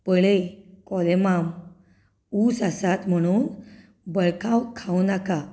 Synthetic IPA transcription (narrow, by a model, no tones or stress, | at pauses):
pəɭekɔlemam | uːsasat̪m̤əɽ̃uːn | bəɭkʰãwkʰawnaka